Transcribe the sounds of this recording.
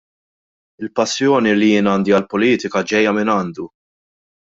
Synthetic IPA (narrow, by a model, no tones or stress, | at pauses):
ɪlpɐsːjɔːnilijɪːnɐːnd̪iɐlpɔliːt̪ɪkɐd͡ʒɛjːɐmɪnɐːnd̪u